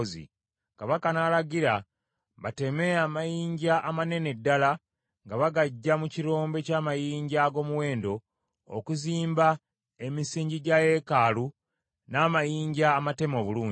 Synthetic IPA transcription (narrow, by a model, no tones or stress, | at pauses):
zḭ | kaβakanalaɡiɾa | βate̞meaːmajiːɲɟaʔːmane̞ne̞dːala | ŋɡaβaɡaɟːamuciɾo̞ːmbe̞caːmajiːɲɟaɡo̞ːmuwe̞ːndo̞̰ː | kuziːmba | e̞misiːɲɟiɟaje̞kalu | naːmajiːɲɟaːmate̞mo̞βuluːɲ